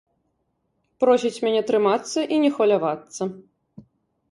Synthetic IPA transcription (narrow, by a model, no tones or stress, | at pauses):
pɾɔsʲit͡sʲmʲanʲɛt̪ɾɨmat̪sːɐʔinʲɛxvɐlʲavat̪sːɐ